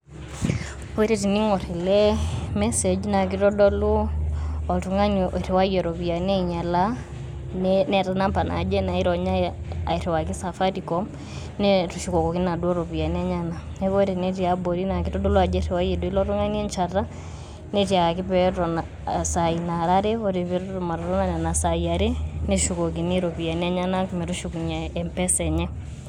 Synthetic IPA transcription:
o˦ɾi˨ɾi˨ni˦ŋɔ˨ɾɛ˨lɛmɛse˨d͡ʒina˨k̬i˦ɾɔdɔ˦lu˦ɔ˨tu˨ŋa˦nʔɾe˨wa˦jɛ˨ɾo˨βi˨a˨nɛ˦ɲa˨la | nnɛ˨ɾa˦na˦mpa˨nʔa̰˨d͡ʒɛ˦na˨i˦ɾɔ˨ɲa˦ | a̰˨i˨ɾe˨wa˨ki˦sa˨fa˦tikɔm | nɛtu˨ʃikɔ˨ko˨ki˦na˨du˦ɔ˦ɾɔ˨βi˨a˨nɛ˦ɲa˦na˨nɛ˦ko˦ɾe˨ne˦ɾi˨a˦bo˨ɾi˦na˨ki˦tɔ˦do˦lɔ˦a˨d͡ʒɛ˦ɾɛ˨wa˦je˨di˦lɔ˦ɾɔ˦ŋa˦ni˦ɛ˦nt͡ʃa˨ra˦ | nɛ˦ti˨a˨a˨kɪ˦pɛɾɔ˨na˨ | sa˨i˨na˨ɾa˦ɾe˦o˦ɾe˨βe˦ɾo˨ma˨ɾɔ˨ɾɔ˦na˨nɛ˨na˨sa˨ia˨ɾe˦ne˦ʃu˨ko˨k̬i˨ni˦ɾo˨pi˨a˨n˦ɛ˦ɲa˦na˦ku˨mɛ˨ɾu˦ʃuku˨ɲa˨ɛ˨mpɛ˦sɛ˨ɲɛ˦

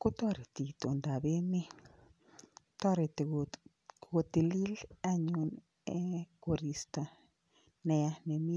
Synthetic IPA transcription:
ko˦t̪wa˦˧ɾi˨t̪i˨t̪o˨nd̪a˨be˦mĩ˦ | t̪a˦ɾe˨t̪ | ɡo˧t̪i˧li˦la˧ɲu˧n | e˦ko˧ɾi˧st̪a˧ | ne˧a˦ne˧mi˦

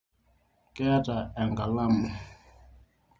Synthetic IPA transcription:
kʼɛ˦a˦ta˨ɛ˨ŋɡa˨la˦m˨

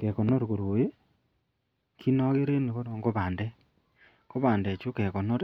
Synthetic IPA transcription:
ke˨kɔ˨no˦ɾko˨ɾo˨je˦ | kʰi˦nɔ˦ɣe˦ɾe˦ne˨ko˦no˨ŋɡo˦βaː˨ndɛ˦ | ko˦βa˨ndɛ˨t͡ʃu˦ke˨kɔ˨nɔ˦ɾ

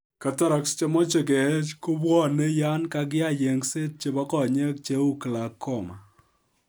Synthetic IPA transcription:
ka˨ta˦ɾa˨kst͡ʃe˦mɔ˦t͡ʃe˨kɛ˨˦t͡ʃko˦bwɔ˦ne˦ja˦nka˦k̬a˦˨je˨ŋse˦t̚t͡ʃe˦bɔ˦kɔ˨ɲe˦k̚t͡ʃe˦u˦kɨ˨la˨kʰːɔ˦˨ma˨

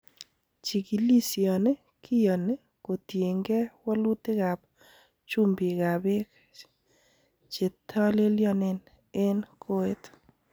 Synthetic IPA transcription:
t͡ʃi˨ki˨li˦sjɔ˨ne˦ | kʰi˦jɔ˨ne˦ | ko˨tje˨ŋɡe˦wɔ˦lu˦t̪ɪ˦ɣa˨b | t͡ʃu˦mbi˨ɣa˨bɪ˦k | t͡ʃe˨t̪ʰːɔ˦le˦ljɔ˦nɪ˦n | e˦nkʰo˦e˦t̪

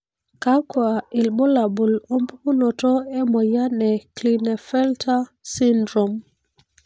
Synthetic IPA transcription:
ka˦kwa˨i˨lbɔ˦la˨bu˨lo˦mpu˦ku˦nɔ˨tɔ˦ɛ˦mɔ˨ja˦nɛ˨kli˨ne˨fɛ˦ltʰa˦si˦ndɾo˨m

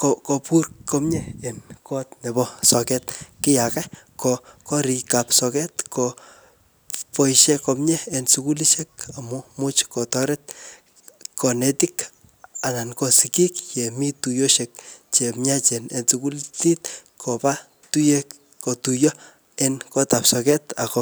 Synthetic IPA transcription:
koko˧pu˦rkɔ˦mɲɛ˦enkɔ˦tne˨bɔsɔ˨kɛt̪̚kɪ˦jakɛ˦kɔkɔ˦ɾi˨kapsɔ˧kɛ˦t̪kɔ | pɔ˦jʃe˦kɔ˧mɲɛ˦e˨nsuku˦li˦ʃek̚a˨mumu˦t͡ʃkɔ˨tɔ˦ɾɛt̪̚ | kɔ˨ne˦tik | a˨na˨nkɔ˧siki˦kt͡ʃe˨mi˦tu˨jo˦ʃek̚t͡ʃe˨mɲa˦t͡ʃe˨ne˨nsuku˦lti˦tkʰɔ˨pa˦ | tu˦je˦k | ko˨tu˨jɔ˦ | enkɔ˦ta˨psɔ˨kɛ˦takɔ

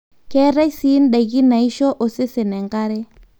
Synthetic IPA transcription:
kɛ˦ɾa˦si˦n˦ɗa˨ɣi˦na˨i˦ʃɔ˦ʔo˨se˦se˨nɛ˨ŋka˦ɾɛ˦

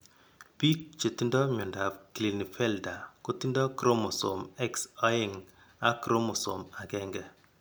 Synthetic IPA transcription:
pi˦k̚t͡ʃe˨ti˦ndɔ˦mɔ˨nda˨pkli˨ni˨fɛ˦lda˨ko˦ti˦ndɔ˦kɾo˦mɔ˨so̰˨mɛ˦ksa˦ɪ˨ŋ | a˦kɾo˦mo˨so̰˨ma˨kɛ˦ŋɡɛ˦

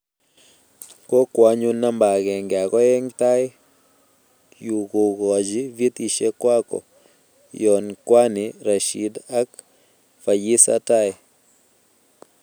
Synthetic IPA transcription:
kɔ˦kwa˦ɲu˦na˦mba˨ɡɛ˨ŋɡɪ˨a˨kɔ˦ɛ˦ŋt̪a˦ɪ˦ | ju˨ko˨ɡɔ˨d͡ʒi˦vi˦t̪i˨ʃe˦kwa˦kɔ̰˨ | jɔ˨nkwa˦nɪ˨ɾa˨ʃḭ˨da˦k̚ | fa˨ji˦sa̰˦ta˦ɪ˨

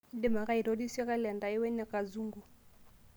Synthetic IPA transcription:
dɪ˦ma˨ka˦i˨ɾo˦di˦sɛ˦ka˦lɛ˨nda˨ɪ˦wɛ˦nɛ˨ka˨zu˦ŋɡu˨

